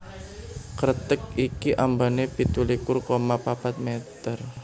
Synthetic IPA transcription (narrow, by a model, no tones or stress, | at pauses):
kəɾt̪ək̚ikiʔambanepit̪ulikʊrkomapapat̪̚met̪ər